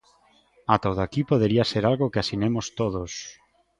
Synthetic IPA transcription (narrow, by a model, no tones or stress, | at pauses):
at̪owðakipoð̞eɾiaseɾalɣokeasinemost̪oðos